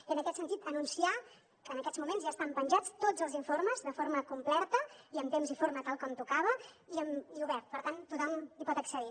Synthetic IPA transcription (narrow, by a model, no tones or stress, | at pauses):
iənəkɛt̪sənt̪it̪ənunsia | kəːnəkɛdzmumẽnzʒaəst̪ampənʲʒat͡st̪od͡zəlˠziɱfoɾməzðəfoɾməkumplɛɾt̪əiəmt̪emzifoɾmət̪alˠkɔmt̪ukaβ̞əiəmiuβɛɾt̪̚pəɾt̪ant̪ut̪ɔmlipɔt̪əksəði